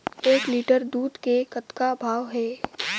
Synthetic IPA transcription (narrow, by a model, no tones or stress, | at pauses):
eːkliːʈəɾd̪uːd̪kekət̪kabʱaːʋɦɛː